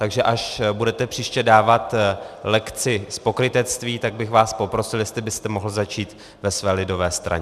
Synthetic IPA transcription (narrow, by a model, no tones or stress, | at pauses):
t̪aɡʒɛʔaʃbudɛt̪ɛpr̥iːʃcɛdaːvat̪lɛkt͡sɪspo̞kɾɪt̪ɛt͡st̪viːt̪aɡ̚bɪxvaːspo̞pɾo̞sɪljɛst̪lɪbɪst̪ɛmo̞ɦl̩zat͡ʃiːt̪ | vɛsvɛːlɪdo̞vɛːst̪ɾa̰ɲɛ